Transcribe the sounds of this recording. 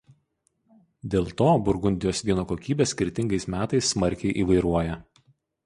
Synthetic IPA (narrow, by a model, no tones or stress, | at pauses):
d̪ʲeːlˠt̪oːbʊɾɡʊnʲd̪ʲɪjoːsʋʲiɛnoːkoːkʲiːbʲeːsʲkʲɪɾʲt̪ʲɪŋɡɐɪsmʲæːt̪ɐɪsːmɐɾʲˑkʲɛɪʔiːʋɐɪɾuɔjɛ